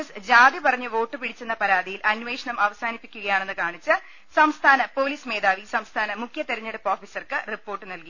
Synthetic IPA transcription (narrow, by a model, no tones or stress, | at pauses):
sd͡ʑaːd̪jɐpɐrɐɲːɨʋo̞ːʈːɨpiɽit͡ɕːenːɐpɐɾaːd̪ijilʔɐnʋe̞ːʂɐɳɐmʔɐʋɐsaːnipːi̥kʲːuɣɐjaːɳenːɨkaːɳit͡ɕːɨ | sɐmst̪ʰaːnɐpo̞ːliːsme̞ːd̪aːʋisɐmst̪ʰaːnɐmukʰjɐt̪eɾɐɲːeɽupːoːfiːsɐrkɨripːo̞ːrʈːɨnɐlki